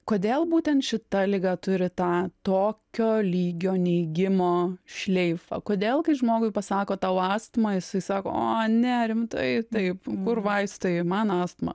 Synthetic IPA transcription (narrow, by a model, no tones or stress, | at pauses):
koːd̪ʲeːlˠbuːtʲɛnt̪ʃʲɪt̪ɐlʲɪɡɑt̪ʊɾʲɪt̪ɑːt̪oːkʲoːlʲiːɡʲoːnʲɛɪɡʲɪmoːʃʲlʲɛɪfɐ̰koːd̪ʲeːlˠkɐɪʒmoːɡʊɪpɐsɑːkoːt̪ɐʊɑːst̪mɐjɪsɐɪsɑːko̰ːoːnʲɛɾʲɪmt̪ɐɪt̪ɐɪpkʊrʋɐɪst̪ojmɐnɑːst̪mɐ̰